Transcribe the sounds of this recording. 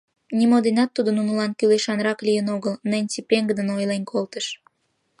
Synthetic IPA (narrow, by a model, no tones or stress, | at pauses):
nʲimod̪enɑt̪ːud̪ənunulɑnkyleʃɑnɾɑklijənoɣəlnənʲt͡sipeŋɡəd̪ənojlenʲkʰolt̪əʃ